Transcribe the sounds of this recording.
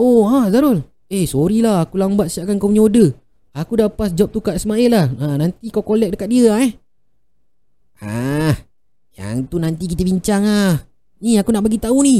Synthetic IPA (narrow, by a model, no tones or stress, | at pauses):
oazaɾʊl | ehsoɾilahakulambat̪̚siaʔkankawmɲodə | akudapas̬d͡ʒɔp̚t̪ukat̪səmaɪllahanant̪ikawkolɛk̚dəkat̪̚diəaɛh | ah | ja̰ŋt̪unant̪ik̬it̪əbiɲt͡ʃaŋah | niakunaʔbaɡit̪auni